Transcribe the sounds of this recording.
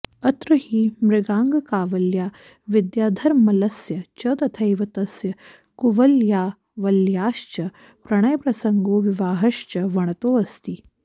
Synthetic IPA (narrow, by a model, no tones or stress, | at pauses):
ɐt̪ɾɐhiːmɾɪɡaːŋɡɐkaːʋɐljaː | ʋid̪jaːd̪ʱɐɾmɐlɐsjɐt͡ʃɐd̪ɐt̪ʰɐjʋɐt̪ɐsjɐ | kuʋɐljaː | ʋɐljaːʃt͡ʃɐ | pɾɐɳ̃ɐjɐpɾɐsɐŋɡoːʋiʋaːɦɐʃt͡ʃɐʋɐɳ̃ɐt̪oːɐst̪i